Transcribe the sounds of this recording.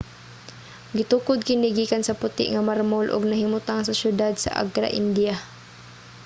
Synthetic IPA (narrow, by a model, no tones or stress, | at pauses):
ɡɪt̪uːkʊd̪̚kɪniɡiːkansapʊt̪ɪ̰ʔŋamaɾmʊlʔʊ̰ɡ̚naɦɪmʊt̪aŋsasjʊd̪ad̪sa̰ʔa̰ɡɾa̰ʔɪnd̪ia